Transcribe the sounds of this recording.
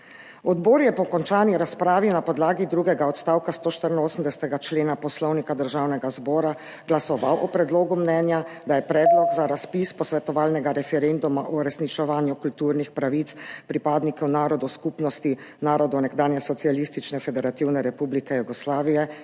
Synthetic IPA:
ɔd̪boːɾjɛpɔkɔnt͡ʃaːniɾaspɾaːʋinapɔd̪laːɡid̪ɾuːɡɛɡaɔt̪st̪aːwkast̪oːʃt̪əɾinoːsm̩d̪ɛsɛ̥t̪ɛɡat͡ʃleːnapɔslɔwnikad̪əɾʒaːwnɛɡazbɔːɾa | ɡ̥lasɔʋawʔɔpɾɛd̪loːɡumnɛːnjad̪ajɛpɾɛːd̪lɔɡzaɾaspispɔsʋɛt̪ɔʋaːlnɛɡaɾɛfɛɾend̪umaʔɔɾɛsnit͡ʃɛʋaːnjukult̪uːɾnixpɾaʋit̪spɾipaːd̪nikɛwnaːɾɔd̪ɔskupnɔst̪inaːɾɔd̪ɔnɛɡd̪aːnjɛsɔt̪sialist̪it͡ʃnɛfɛd̪ɛɾat̪iwnɛɾɛpublikɛjuɡɔslaːʋijɛ

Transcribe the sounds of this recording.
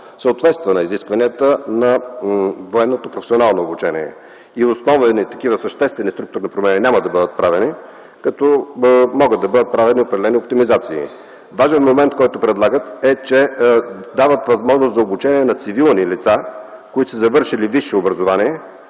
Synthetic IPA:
səot̪vɛt̪st̪vənɐiziskvɐniət̪ənɐ | voɛnːot̪opɾofɛ̥sionalˠnoːbut͡ʃɛnḭɛ̰ | iʊsnɔvnit̪ɐkivəsəʃt̪ɛst̪vɛnist̪ɾuk̚t̪ʊɾnipɾomɛninʲaməd̪ɐbɤd̪ət̪̚pɾavɛni | kɐt̪ɔmɔɡət̪ːɐbɤd̪ət̪̚pɾavɛniopɾɛd̪ɛlɛniopt̪imizat̪sḭː | vaʒɛnmomɛnt̪kɔjt̪opɾɛd̪lˠaɡət̪ɛt͡ʃɛ | d̪avət̪vɐzmɔʒnʊst̪zɐobut͡ʃɛniɛnɐt̪sivilˠnilit̪sakoit̪osəzɐvɤɾʃiliviʃɛobɾɐzʊvaniɛ

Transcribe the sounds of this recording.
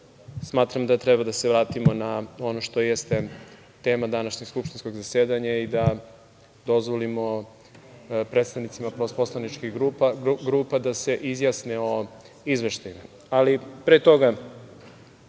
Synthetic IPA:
smaːt̪ɾamd̪aet̪ɾebad̪aseʋɾaːt̪imo̞nao̞noʃt̪o̞jest̪e̞ | t̪e̞ːmad̪anaʃɲe̞ɡ̥skupʃt̪insko̞ɡzaseːd̪aɲaid̪a | d̪o̞zʋolimo̞ | pɾet̪st̪aʋnit̪simaposposlˠanit͡ʃkiɣɡɾɡɾuːpad̪ase̞ʔizjasneo̞ | izʋeʃt̪ajima | alipɾet̪o̞ɡa

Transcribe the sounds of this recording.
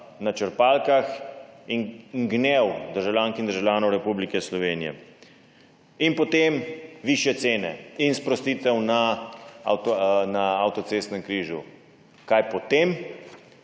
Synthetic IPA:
nat͡ʃəɾpaːlkaxinŋɡnewd̪əɾʒawlʲaːnkind̪əɾʒawlʲjaːnɔwɾɛpublikɛslɔʋeːnijɛ̰ | inpɔt̪emʋiːʃjɛt̪seːnɛ̰inspɾɔst̪it̪ɛwnaa̰wt̪naawt̪ɔt̪seːst̪nɛmkɾiːʒu | kajpɔt̪em

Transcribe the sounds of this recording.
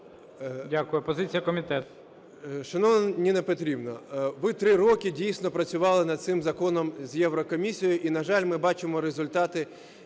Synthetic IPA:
dʲakʊjʊpɔzɪt͡sʲijɐkɔmʲit̪ɛt̪ | ʃɔnɔʋnɔnʲinɛpɔt̪ɾʲibnɔʋɪt̪ɾɪɾɔkʲɪdʲijsʲnɔpɾɐt͡sʲʊʋɑlˠɪnɐd̪̚sɪmzɐkɔnɔmzʲjɛʋɾɔkɔmʲisʲijɔjʊʔinɐʒɑlʲmɪbɑt͡ʃɪmɔɾezʊlʲt̪ɑt̪ɪ

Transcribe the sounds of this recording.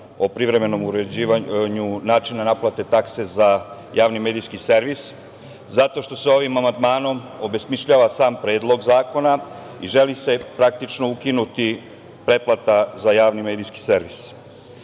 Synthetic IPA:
o̞pɾiʋɾe̞me̞no̞muɾed͡ʑiːʋaɲunaːt͡ʃinanaplˠat̪e̞t̪akse̞za | jaːʋnime̞ːd̪ijskiseɾʋis | zat̪o̞ʃt̪o̞seo̞ʋimamand̪maːno̞mo̞be̞smiʃʎaʋasaːmpɾeːd̪lˠo̞ɡzaːko̞na | iʒelise̞pɾak̚t̪it͡ʃno̞ukinut̪i | pɾe̞plˠat̪azajaːʋnimeːd̪ijski̥se̞ɾʋis

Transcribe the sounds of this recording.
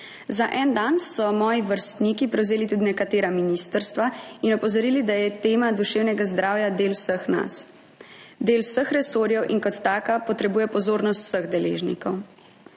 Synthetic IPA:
zaʔɛːnd̪ansɔmɔːjiʋəɾst̪nikipɾɛwzeːlit̪uːd̪inɛkat̪eːɾaminist̪əɾst̪ʋainɔpɔzɔɾiːlid̪ajɛt̪eːmad̪uʃeːwnɛɡazd̪ɾaːwjad̪eːlwsəxna̰s | d̪eːlwsəxɾɛsoːɾjɛwʔinkɔt̪ːaːkapɔt̪ɾɛbuːjɛpɔzoːɾnɔst̪w̥səɣd̪ɛlḛʒnḭkɔw

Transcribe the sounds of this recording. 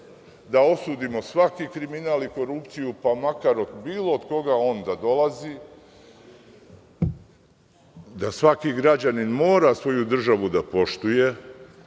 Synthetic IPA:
d̪ao̞suːd̪imo̞sʋakikɾiminaliko̞ɾupt̪sijupamakaɾod̪biːlˠo̞ːd̪ko̞ɡao̞nd̪ad̪o̞lˠazi | d̪asʋakiɡɾad͡ʑaninmo̞ːɾasʋo̞jud̪r̩ʒaʋud̪apo̞ʃt̪uje̞

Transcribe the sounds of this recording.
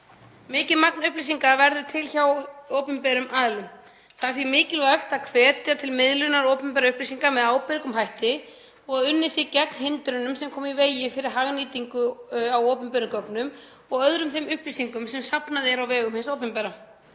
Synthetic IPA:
mɪːcɪðmak̚nʏhplis̬iŋkavɛɾðʏ̥t̪ʰɪlçawowpʏmpɛɾʏmʔaːðlʏm | θaðθvimɪːcɪlvajxt̪aðkʰvɛːt̪ɪat̪ʰɪlmɪðlʏnaɾowpʏmpɛɾaʏhplisiŋkamɛðaːwpɪɾkʏmɦajht̪ɪ | ɔɣaðʏnːɪsjɛɾcɛknhɪnt̪ɾʏnʏmsɛmkʰɔːmiveːjɪfɪɾɪɾ̥ɦaɣniːt̪iŋkʏawowpʏmpɛɾʏmkœknʏm | ɔɣœðɾʏmθejmʏhplisiŋkʏmsɛmsapnaðɪɾawvɛːɣʏmhɪnsowpʏmpɛɾa

